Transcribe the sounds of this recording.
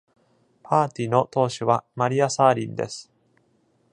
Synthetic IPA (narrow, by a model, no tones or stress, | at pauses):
pʰaːt̪ʲino̞t̪o̞ːɕiβamaɾʲiasaːɾʲĩnd̪e̞̰sɨ̥